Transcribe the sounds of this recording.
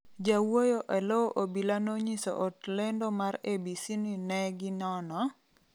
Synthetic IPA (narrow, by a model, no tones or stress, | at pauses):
d͡ʒawojoʔɛloʔobilanoɲiso̰ʔɔtlendomaɾebisininɛɡɪnɔnɔ